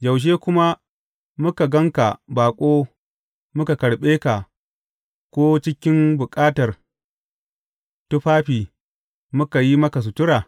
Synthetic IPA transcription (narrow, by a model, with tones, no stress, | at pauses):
d͡ʒɐ˨wʃ̬eː˦kʷʊ˦ma˦ | mʊ˦ka˨ɡɐ˦ŋka˨baː˨kʷʼoː˦ | mʊ˦ka˨kɐ˨ɽɓeː˦ka˨ | kʷoː˦t͡ʃɪ˦kʲɪ˦mbʊ˨kʼaː˦tɐ˨r | tʊ˦ɸaː˦ɸiː˨ | mʊ˦ka˨ji˦mɐ˦ka˨s̬ʊ˨tʊ˦ɾaː˨